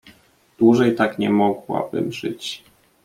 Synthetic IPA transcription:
d̪̥wuʐɛjt̪akɲɛmɔɡwa̰bɘ̰mʐɘt͡ɕ

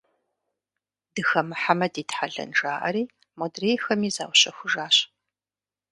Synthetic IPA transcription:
dɨxɐmɨħamɐdiːtħaɮɐ̰nʈ͡ʂaːʔɐ̰ɾiː | modreːjxɐmiːza̰ːwɕɐxʷʊʒaːɕ

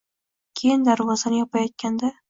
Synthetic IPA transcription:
kʲʰejɪnd̪aɾvɒzanɪjɒpʰajɒt̪̚kʲand̪a

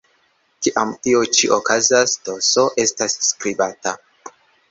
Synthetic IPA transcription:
kiʔamtiot͡ʃiʔokazasd̥o̞so̞ʔe̞stasːkɾibata

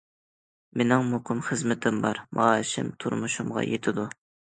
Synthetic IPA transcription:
menɪŋmoqʰəmχəzmɪt̪ʰɪmbɑɾmʔɑ̰ːʃɪ̰mt̪ʰṵɾmuʃumʁɑ̰jet̪ʰɪd̪u

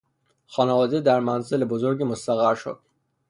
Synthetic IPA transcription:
xɒːnævɒːd̪ed̪æɾmænzelebozoɾɟimost̪æɣæɾʃo̰d̪̥

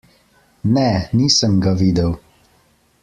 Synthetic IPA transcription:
nɛniːsəmɡaʋiːd̪əw

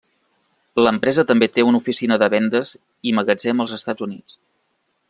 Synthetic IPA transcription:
ləmpɾɛzət̪əmbet̪eunufisinəðəβɛnd̪əz | iməɣəd͡zɛməlˠzəst̪ad͡zunit͡s

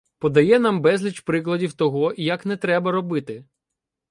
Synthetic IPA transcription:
pɔd̪ɐjɛnambɛzʲlʲit͡ʃpɾɪklˠɐdʲiwt̪ɔɦɔjɐknɛt̪ɾɛbɐɾɔbɪt̪ɪ

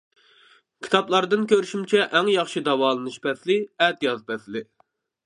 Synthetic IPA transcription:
kʲʰi̥t̪ʰɑplˠɑɾd̪ɨnkʲʰøɾyʃymt͡ʃʰɛʔɛŋjɑχʃid̪ɑwɑːlˠɨnɨʃbɛslɪɛt̪jɑzpɛslɪ

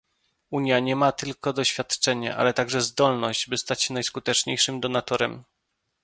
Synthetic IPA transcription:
uɲjaɲɛmat̪ɘlkɔd̪ɔɕfʲjat̪t͡ʂɛɲɛ̰ʔa̰lɛt̪aɡʐɛzd̪ɔlnɔʑd͡ʑbɘst̪at͡ɕɕɛnajskut̪ɛt͡ʂɲejʂɘmd̪ɔnat̪ɔɾɛm

